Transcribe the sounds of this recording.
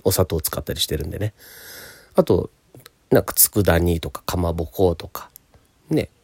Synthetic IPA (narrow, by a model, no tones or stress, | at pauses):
o̞sat̪o̞ːt͡sɨ̥kat̪ːaɾʲiɕi̥t̪e̞ɾɯ̟̃nd̪e̞ne | at̪o̞̰ | nãŋkḁt͡sɨ̥kɯ̟d̪aɲ̟it̪o̞kḁkamabokoːt̪o̞kʰḁ | ne̞̰